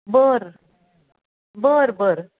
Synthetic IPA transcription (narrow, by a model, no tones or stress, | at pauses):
bəɾ | bəɾbəɾ